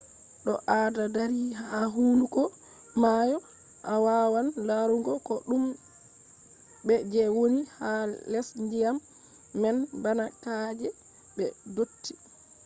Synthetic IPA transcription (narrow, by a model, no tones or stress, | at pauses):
ɗɔʔadadaɾiːɦaaɦuːlukɔ | majɔ | ʔawawanlaɾuŋɡɔkɔɗum | bɛd͡ʒɛwonihalɛsndijamː | ɛnbanakad͡ʒɛ | ɓɛ̰dotːi